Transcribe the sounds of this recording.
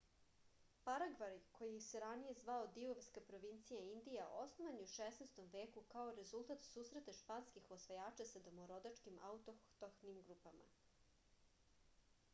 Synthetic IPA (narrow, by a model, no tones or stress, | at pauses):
paɾaɡʋaɾikojiseɾanije̞zʋaod̪ioʋskapɾo̞ʋint̪sijaind̪ijaosnoʋaniuʃeːsnest̪o̞mʋeːkukaoɾe̞zulˠt̪at̪suːsɾe̞t̪aʃpanskixosʋajaːt͡ʃasad̪omoɾod̪at͡ʃkimʔa̰ut̪ot̪oxnimɡɾuːpama̰